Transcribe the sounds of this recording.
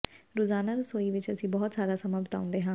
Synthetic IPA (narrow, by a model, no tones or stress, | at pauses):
ɾoːzaːnaːɾʊsoːiːʋɪt͡ʃəsĩːbɔːt̪saːɾaːsəmaːbət̪a̰ːʊ̃nd̪eːɦãː